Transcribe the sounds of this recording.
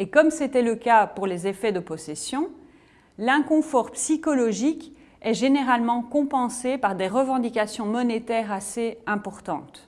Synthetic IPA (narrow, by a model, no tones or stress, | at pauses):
ekɔmset̪ɛləkapuʁlezefɛd̪əpɔsesjɔ̃ | lɛ̃kɔ̃fɔʁpsikɔlɔʒik | ɛʒeneʁalmɑ̃kɔ̃pɑ̃sepaʁd̪eʁəvɑ̃d̪ikʲasjɔ̃mɔnet̪ɛʁaseɛ̃pɔʁt̪ɑ̰̃t̪